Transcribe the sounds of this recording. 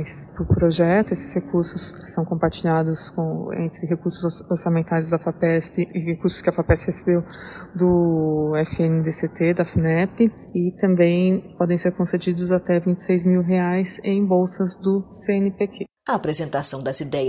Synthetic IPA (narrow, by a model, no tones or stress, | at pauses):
jspɾʊpɾoʒɛt̪ʊesɪ̥shekuɾsʊssɐ̃w̃kõpaɾt͡ʃiʎad̪ʊskõḛ̃nt̪ɾɪɦekuɾsʊzoɾsãmẽnt̪aɾɪzd̪ɐfapɛspɪɪɦekuɾsʊ̥skɪafapɛshesebewd̪ʊɛfienɪd̪eset̪ed̪ɐfinɛpɪ | ɪt̪ɐ̃mbẽj̃pɔd̪ẽj̃seɾkõsed͡ʒid̪ʊzat̪ɛvĩnt͡ʃɪ̥sejzmiwɦeajzẽj̃bowsɐzd̪ʊseẽnɪpekʰe | ɐapɾezẽnt̪asɐ̃w̃d̪ɐzid̪ɛjɐ